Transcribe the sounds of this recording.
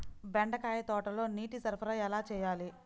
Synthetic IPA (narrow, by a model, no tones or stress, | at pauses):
beɳɖɐkaːjɐt̪ɔːʈɐlo̞ːniːʈisɐɾpʰɐɾɐjɛlaːt͡ʃɛːjaːli